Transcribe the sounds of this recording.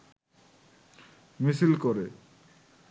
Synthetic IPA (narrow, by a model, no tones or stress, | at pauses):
misilkoɾe